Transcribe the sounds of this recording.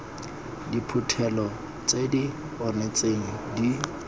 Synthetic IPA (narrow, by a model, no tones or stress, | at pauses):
dipʰʊtʰɛlɔ | t͡sʼedi | ɔnɛt͡sʼeŋ̩di